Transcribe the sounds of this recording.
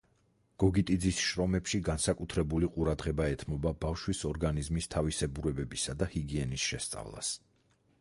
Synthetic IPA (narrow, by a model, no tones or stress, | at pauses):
ɡ̥ɔɡit̪ʼid̪zisʃɾɔmɛpʃiɡansakʼut̪ʰɾɛbuliqʼuɾad̪ʁɛbaɛt̪ʰmɔbabafʃwisɔɾɡanizmist̪ʰavisɛbuɾɛbɛbisad̪ahiɡiɛnisʃɛst̪sʼa̰vlˠa̰s